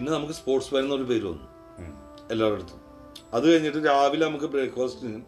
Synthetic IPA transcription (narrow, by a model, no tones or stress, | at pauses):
inːenɐmukːɨspo̞ːrʈsʋɐɾɐnːɐoɾupe̞ːɾuʋɐ̰nːu | e̞lːaːʋiɽut̪ːu̥mː | ɐðɨkɐɻiɲːiʈːɨɾaːʋilnɐmukːɨbreːɡfʰoːstinilum